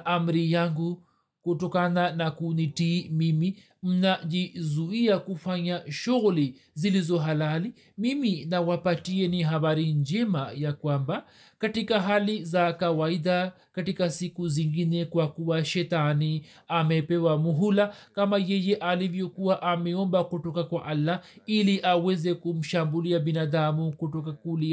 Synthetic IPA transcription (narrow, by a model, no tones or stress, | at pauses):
ʔam̩ɾijaŋɡu | kutɔkananakunitiːmimi | m̩naʄizuiakufaɲaʃuɣuli | zilizɔɦalali | miminawapatiɛniɦaβaɾiɲd͡ʒɛmajakwamba | katikaɦalizakawaida | katikasikuziŋɡinɛkwakuwaʃɛtani | amɛpɛwamuɦulakamajɛjɛʔalivjɔkuwaʔamɛɔmbakɔtɔkakwaʔalːa | iliʔawɛzɛkum̩ʃambuliabinadamukutɔkakuli